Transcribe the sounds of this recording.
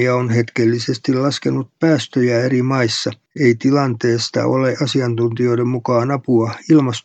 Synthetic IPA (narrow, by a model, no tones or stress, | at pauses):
ɑonhet̪kelːisest̪illɑskenut̪̚pæːst̪øjæerimɑisːɑ | eit̪ilɑnt̪eːst̪ɑ̰oleʔɑsiɑnt̪unt̪io̞iɾemmukɑːnɑpuɑilmɑs